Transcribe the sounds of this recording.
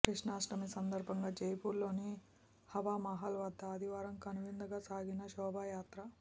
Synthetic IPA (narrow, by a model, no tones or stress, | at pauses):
kɾiʂɳaːʂʈɐmisɐnd̪ɐɾbʱɐŋɡaːd͡ʒejpuɾlo̞ːni | hɐʋaːmɐɦɐlʋɐd̪ʱːɐːd̪ʱiʋaːɾɐmkɐnuʋind̪ɐɡaːsaːɡinɐʃɔːbʱaːjaːt̪ɾɐ